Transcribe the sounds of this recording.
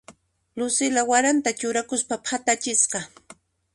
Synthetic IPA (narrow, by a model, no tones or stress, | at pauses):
lʊsɪlawaɾant̪at͡ʃʊɾakʊspapʰat̪at͡ʃɪsqɑ